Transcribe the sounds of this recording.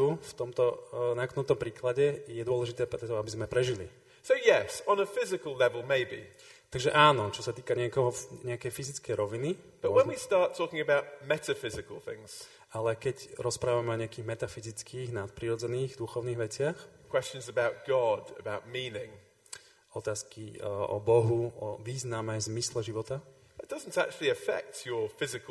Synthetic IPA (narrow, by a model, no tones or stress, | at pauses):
t̪uft̪ɔmt̪ɔnaknɔmt̪ɔmpɾiːklaɟɛjɛd̪ʊɔlɛʒit̪ɛːpɾɛt̪ɔabizmɛpɾɛʒilḭ | soʊjɛsə̃n̩əfɪzɪkəlˠlɛvəlˠmeɪbḭ | t̪aɡʒɛʔaːnɔt͡ʃɔsat̪iːkaɲɪɛkɔɦɔɲɛakɛjfizit͡skɛjɾɔʋinib̥ʌʔwə̃nwistɑɹtʰɔːˑkɪ̃ŋəbaʊʔ̚mɛtəfɪzɪkəlˠθɪ̰̃ŋz̥ | alɛkɛcɾɔspɾaːʋamɛɔɲɛakiːɣmɛt̪afizit͡skiːɣnat̪̚pɾiɾɔd͡zɛniːɣd̪uxɔʊniːɣʋɛt͡sɪaxkʰw̥ɛst͡ʃə̃nzəbaʊt̚ɡ̥ɒdə̰baʊt̚mĩːnɪ̃ŋ | ɔt̪aːskiɔ̰bɔɦuɔʋiːznamɛjzmislɛʒiʋɔt̪a | ðət̚d̥ʌzn̩ta̰k̚t͡ʃul̩ˠiəfɛ̰k̚tʰjə˞fɪzɪk